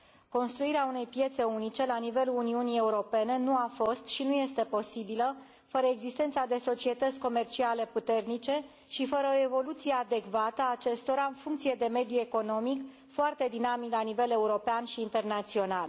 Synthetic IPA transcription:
ko̞nst̪ɾuiɾeaune̞jpje̞t̪se̞unit͡ʃe̞lanive̞luluniunie̞uɾo̞pe̞ne̞nuafo̞st̪ʃinuje̞st̪e̞po̞sibilə | fəɾəeɡzist̪e̞nt̪sad̪e̞so̞t͡ʃie̞t̪ət̪sʲko̞me̞rt͡ʃiale̞put̪e̞rnit͡ʃe̞ | ʃifəɾəoe̞vo̞lut̪sije̞ad̪e̞kvat̪əːt͡ʃe̞st̪o̞ɾaɨnfuŋk̚t̪sije̞d̪e̞me̞d̪jue̞ko̞no̞mik | foart̪e̞d̪inamiklanive̞le̞uɾo̞peanʃiːnt̪e̞rnat̪sio̞nal

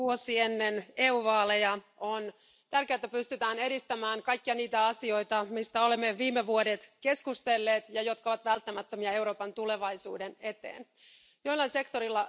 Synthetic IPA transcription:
uosienːeneːuːʋɑːlejɑ | on | t̪ærkeæt̪æpyst̪yt̪æːne̞ɾist̪æmæːŋkɑjkːiɑniːt̪æɑsio̞jt̪ɑmist̪æo̞lemːeʋiːmːeʋuodet̪ke̞skust̪elːeːt̪jɑjo̞t̪kɑoʋɑt̪ʋælt̪ːæmæt̪ːømiɑe̞wɾo̞ːpɑnt̪ule̞ʋɑjsuːdene̞t̪ḛːn | joilːɑinse̞kt̪oɾilːɑ

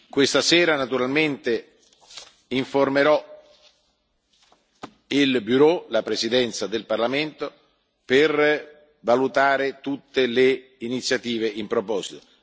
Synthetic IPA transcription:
kwest̪asɛːɾanat̪uɾalment̪e | iɱformeɾɔ | ilbyɾolapɾesid̪ɛnt̪sad̪elparlament̪o | per | valut̪aːɾet̪ut̪ːele | init̪sːjat̪iːveimpɾopɔːzit̪o̥

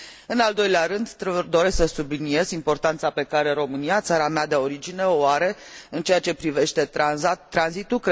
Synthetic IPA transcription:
ɨnald̪o̞jleaɾɨnd̪d̪o̞ɾe̞sksəsublinie̞zimpo̞rt̪ant̪sape̞kaɾe̞ɾo̞mɨniat̪saɾamead̪eo̞ɾid͡ʒine̞oaɾe̞ɨnt͡ʃe̞jat͡ʃe̞pɾive̞ʃt̪e̞t̪ːɾanzit̪ukɾ

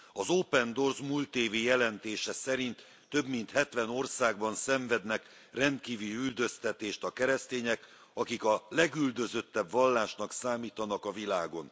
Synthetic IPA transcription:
ɒzoːpɛnd̪o̞rzmuːlt̪eːvijɛlɛnt̪eːʃɛsɛɾint̪ː | ø̞bmint̪hɛt̪ʋɛno̞rsaːɡ̚bɒnsɛɱvɛd̪nɛk | rɛnt̪kiːvylyld̪ø̞st̪ɛt̪eːʃt̪ɒkɛɾɛst̪eːɲɛk | ɒkikɒlɛɡyld̪ø̞zø̞t̪ːɛbvɒlːaːʃnɒksaːmiːt̪ɒnɒkɒvilaːɡo̞n

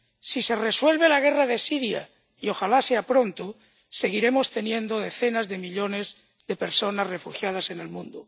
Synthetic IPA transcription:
sise̞reswe̞lβ̞e̞laɣ̞e̞raðesiɾja̰ | io̞xalase̞apɾo̞nt̪o | se̞ɣ̞iɾe̞mo̞st̪e̞njẽ̞nd̪o̞ð̞e̞θe̞nazðe̞miʎo̞ne̞z | ðe̞pe̞ɾso̞nazre̞fuxjað̞ase̞ne̞lmũnd̪o

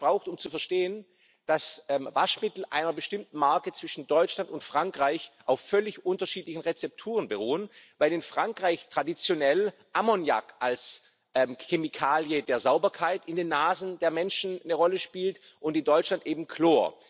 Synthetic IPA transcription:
b̥ʁaʊxtʊmt͡sufɛɐʃteːən | d̥asʔɛːmvaʃmɪtl̩ʔa̰ɪnɐbəʃtɪmtn̩maɐkət͡sv̥ɪʃn̩dɔʏt͡ʃlantʊntfʁ̥aŋkʁ̥aɪçʔaʊfːœlɪçʔʊntɐʃiːtlɪçn̩ʁɛt͡sɛp̚tʰuːʁənbəʁuːənvaɪlɪnfʁ̥aŋkʁ̥aɪçtʁ̥adit͡sjonɛl | ʔamɔnja̰kals | ʔɛmçemikʰaːljədeːɐzaʊbɐkʰaɪtɪndeːnːaːzn̩deːɐmɛnʃn̩nəʁɔləʃpiːlt | ʔʊntɪndɔʏt͡ʃlantʔeːbm̩kʰloːɐ

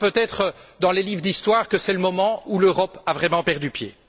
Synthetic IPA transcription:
pøt̪ɛt̪χəd̪ɑ̃lelivʁd̪ist̪waːʁkəsɛləmɔmɑ̃uløʁɔpavʁɛmɑ̃pɛʁd̪ypjḛ

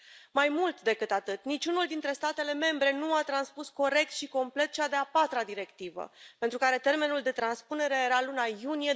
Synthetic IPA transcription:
majmult̪d̪e̞kɨt̪at̪ɨt̪nit͡ʃunuld̪int̪ɾe̞st̪at̪e̞le̞me̞mbɾe̞nuat̪ɾanspusko̞ɾe̞k̚t̪ʃiko̞mple̞t̪t͡ʃad̪e̞apat̪ɾad̪iɾe̞kt̪ivə̰pe̞nt̪ɾukaɾe̞t̪e̞rme̞nuld̪e̞t̪ɾanspune̞ɾe̞jeɾalunajunije̞

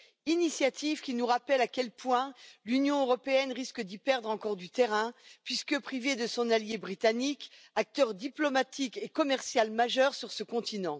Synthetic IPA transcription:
inisjat̪ivkʲinuʁapɛlakʲɛlpwɛ̃lynjɔ̃øʁɔpeɛnʁiskəd̪ipɛʁd̪ʁɑ̃kɔʁd̪yt̪eʁɛ̃pɥiskəpχived̪əsɔ̃naljebʁit̪anik | ak̚t̪œʁd̪iplɔmat̪ikekɔmɛʁsjalmaʒœʁsyʁsəkɔ̃t̪ʰinɑ̃

